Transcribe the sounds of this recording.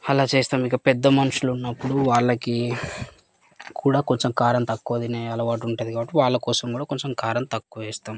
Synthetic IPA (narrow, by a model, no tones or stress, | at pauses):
ɐlaːt͡ʃeːst̪aːmikːɐpɛd̪ːɐmɐnuʃulunːɐpːuɽuʋaːɭːɐki | kʰuːɽaːko̞ɲt͡ʃemkaːɾɐmt̪ɐkːoːd̪ineɐlɐʋaːʈ̬uɳʈaːd̪ikaːbɐʈːiʋaːɭːɐkɔːsɐmkuːɽaːko̞ɲt͡ʃemkaːɾɐmt̪ɐkːuʋɛːst̪aːm